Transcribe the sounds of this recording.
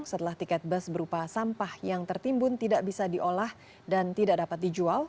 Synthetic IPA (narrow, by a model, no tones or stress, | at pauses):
ŋsət̪əlaht̪ikat̪̚bəsbəɾupasampahjaŋt̪ərt̪imbʊnt̪idaʔbisadiʔolah | dant̪idaʔdapat̪̚did͡ʒual